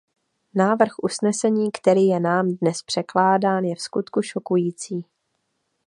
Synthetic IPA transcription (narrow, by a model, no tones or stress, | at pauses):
naːvr̩xʔusnɛsɛɲiːkt̪ɛɾiːjɛnaːmdnɛspr̥ɛklaːdaːnjɛfskut̪kuʃo̞kujiːt͡siː